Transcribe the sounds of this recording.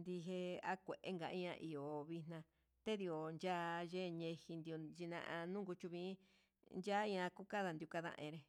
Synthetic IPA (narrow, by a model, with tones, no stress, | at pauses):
nd̪i˧ɦe˧a˦kʷe˨ʔe˦ŋɡa˨˧ĩ˦ã˧ʔi˨jo˨βi˧n̥ã˧ | t̪e˦ði˧o˨nd͡ʒa˦ʒe˦˧ɲẽ˧hi˧nd̪i˧o˧d͡ʒi˧nã̰˧ʔã˧nũ˦ŋɡu˧t͡ʃu˧βĩː˦ | nd͡ʒa˦ĩ˧ã˧ku˦ka˦ða˧nd̪ju˧ka˧ðã̰˧ʔḛ̃˧ɾe˧